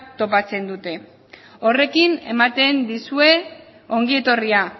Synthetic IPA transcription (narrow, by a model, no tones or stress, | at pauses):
t̪o̞pat͡se̞nd̪ut̪e̞ | o̞re̞kine̞̰mat̪e̞nd̪isue̞ | o̞ŋɡie̞t̪o̞ria